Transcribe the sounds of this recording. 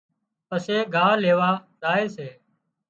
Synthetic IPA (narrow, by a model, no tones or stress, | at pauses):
pəseːɡʱaːleːʋaː | zaːeːseː